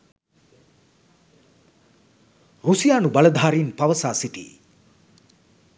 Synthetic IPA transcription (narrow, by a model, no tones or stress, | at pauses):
rusijaːnubɐləd̪ʱaːɾiːnpaʋəsaːsiʈḭː